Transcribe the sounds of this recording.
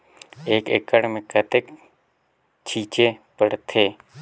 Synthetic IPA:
eːkḛkəɽmẽkət̪ek | t͡ʃʰiːt͡ʃepəɽt̪ʰeː

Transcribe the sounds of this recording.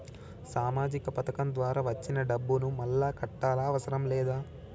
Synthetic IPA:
saːmaːd͡ʒikɐpɐt̪ɐkɐmd̪ʋaːɾaːʋɐt͡ʃːinɐɖɐbːunumɐlːaːkɐʈːaːlaːɐʋɐsɐɾɐmlɛːd̪aː

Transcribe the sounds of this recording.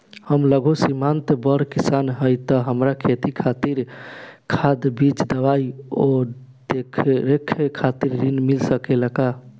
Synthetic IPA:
həmləɡʱosimant̪bəɾkisanɦəjt̪əɦəmɾakʰet̪ikʰat̪iɾkʰad̪bid͡ʒd̪əbajo | d̪ekʰɾekʰekʰat̪iɾːinmilsəkeləka

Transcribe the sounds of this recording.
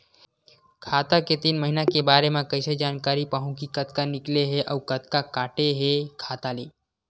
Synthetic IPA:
kʰaːt̪aket̪iːnməɦinakebaːɾemẽkəɪsed͡ʒaːnkaːɾipaːɦũkikət̪kanɪkleɦeʔəukət̪kakaːʈeɦekʰaːt̪aleː

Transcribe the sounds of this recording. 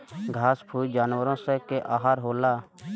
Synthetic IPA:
ɡʱaːspʰuːld͡ʒaːnwəɾõːsɛ̃ːkeʔaːɦaːɾɦoːlaː

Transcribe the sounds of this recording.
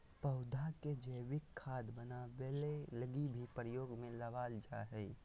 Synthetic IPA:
pəʊd̪ʱaked͡ʒəɪʋɪkʰːaːd̪bənaʋeleləɡibʱipɾjoːɡmẽləʋaːld͡ʒaːɦɛi

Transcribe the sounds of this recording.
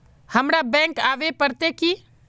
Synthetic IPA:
həmɾabɛ̃ŋkaːʋepəɾt̪eki

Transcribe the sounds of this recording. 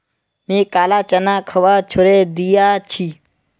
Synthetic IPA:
mẽːkaːlaːt͡ʃənãːkʰəʋaːt͡ʃʰʊɾed̪ijaːt͡ʃʰi

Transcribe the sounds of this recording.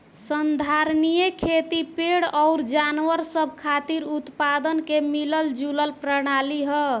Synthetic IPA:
sənd̪ʱaɾnijekʰet̪ipeɽɔʊɾd͡ʒanwəɾsəb̚ʱkʰat̪iɾut̪pad̪ənkemiləld͡ʒuləlpɾəɽ̃aliɦə

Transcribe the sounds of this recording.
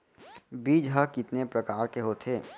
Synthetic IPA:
biːd͡ʒɦəkɪt̪nepɾɐkaːɾkeɦoːt̪ʰeː

